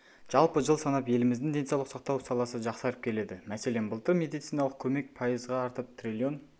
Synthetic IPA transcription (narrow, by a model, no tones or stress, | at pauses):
ʒ̥ɑlˠpəʒəlˠsɑnɑpje̞lɪmɪzd̪ɪŋd̪e̞nsɑwlˠəqsɑqt̪ɑwsɑlˠɑsəʒɑqsɑɾəp̚kʲʰe̞le̞d̪ɪmæse̞le̞nbəlˠt̪əɾmʲe̞d̪ijt̪sijnɑlˠəq̚kʲʰɵme̞k̚pʰɑjəzʁɑːɾt̪əp̚t̪ʰrʲilʲjo̞n